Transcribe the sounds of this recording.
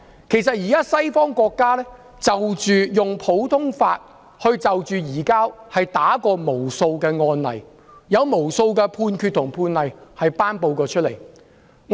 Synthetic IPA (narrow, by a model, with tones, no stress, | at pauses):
kʰe˨˩js̬ɐ˨t̚jiː˨kaː˥sɐ˥jfɔː˥ŋkɔː˧kːaː˥lɛː˥ | t͡sɐ˨wt͡ʃyː˨jʊ˨ŋpʰo˨˥wt̪ʰʊ˥ŋfaː˧t̚ | hɵ˧ɥt͡sɐ˨wt͡ʃyː˨jiː˨˩kaː˥ | hɐ˨jt̪aː˨˥kɔː˧mo˨˩wso˧wkɛː˧ŋɔː˧nlɐ̰˨˩j | jɐ˨˧wmo˨˩wso˧wkɛː˧pʰuː˧nkʰyː˧t̪ʰʊ˨˩ŋpʰuː˧nlɐ˨˩jhɐ˨jpaː˥npo˧wkɔː˧t͡ʃʰɵ˥t̚le˨˩j | ŋ